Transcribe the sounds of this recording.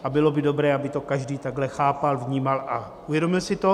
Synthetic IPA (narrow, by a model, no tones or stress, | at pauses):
ʔabɪlo̞bɪdo̞bɾɛːabɪt̪okaʒdiːt̪aɡɦlɛxaːpalvɲiːmalʔaʔuvjɛdo̞mɪlsɪt̪o̞